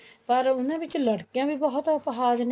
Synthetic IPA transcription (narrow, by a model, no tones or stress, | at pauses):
pəɾʊnẽːbɪt͡ʃləɽkijãːbʱiːbəɦʊt̪ʊpɦaːd͡ʒn